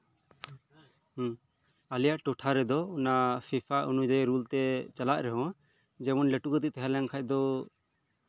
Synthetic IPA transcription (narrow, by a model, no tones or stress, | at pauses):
alijaʔʈɔʈʰaɾɛd̪ɔɔnapʰipʰaʔunud͡ʒaɛɾult̪ɛt͡ʃalaʔɾɛɦɔ̃ | d͡ʒɛmɔnlɛʈukɔt̪it̪ɛɦalɛŋkʰac̚d̪ɔ